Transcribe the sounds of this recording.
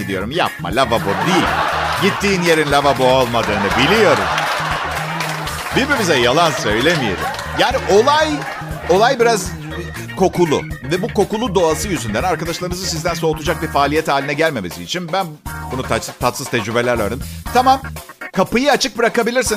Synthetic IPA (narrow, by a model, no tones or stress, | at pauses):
id̪ijo̞ɾumja̰p̚ma̰lʲavaboɾd̪ijilʲɟit̪ʰːiːnje̞ɾinlʲavaboolˠmad̪ɯːnɯbilʲijo̞ɾṵm | biɾbimizɛjalˠansø̞jlʲemijḛɾḭm | jaːniʔo̞lˠaj | o̞lˠajbiɾaz | kʰo̞kulˠʊ̰vɛbuko̞kulˠud̪o̞asɯjyzynd̪ænaɾkad̪aʃlˠaɾɯmɯzɯsizd̪ænso̞ːt̪ʰud͡ʒak̚biɾfaːlʲijɛt̪haːlʲinɛɟælʲme̞mesziːt͡ʃʰinbænbunut̪ʰat̪ʰat̪sɯz̥t̪ʰɛd͡ʒɾybe̞lʲæɾaɾd̪imt̪ʰamamkʰapɯjɯat͡ʃʰɯk̚bɯɾakabilʲiɾsin